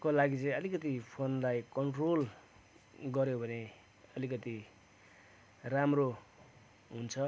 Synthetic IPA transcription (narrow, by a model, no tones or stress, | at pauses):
kolaɡit͡sʌĩʌlikʌt̪ipʰonlajkʌɳʈrol | ɡʌɾjobʱʌne | ʌlikʌt̪i | ramro | ɦunt͡sʰʌ